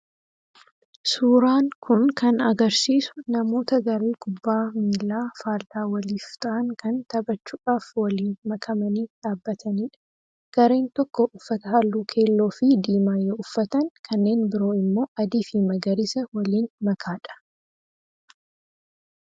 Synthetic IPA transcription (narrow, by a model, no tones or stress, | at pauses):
suːɾaːŋkʰʊnkɐnɐɡɐɾsiːsʊ̥nɐmo̞ːt̪ɐɡɐɾeːɡʊbːaːmiːlːaːfaːɾt̪aːwɐliːft̪ɐʔɐŋkɐnt̪ɐbɐt͡ʃːuːᶑaːfwɐliːnmɐkʰɐmɐniːᶑaːbːɐt̪ʰɐniːᶑɐ̥ | ɡ̥ɐɾe̞ːnt̪ɔkːɔʔʊfːɐt̪ɐɦaːlːuːkʰe̞ːlːo̞ːfɪd̪iːmaːjːɐʊfːɐt̪ɐŋkʰɐnːe̞ːnbɪɾo̞ːɪmːo̞ːʔɐd̪iːfimɐɡɐɾɪsɐwɐliːnmɐkʰaːᶑɐ̥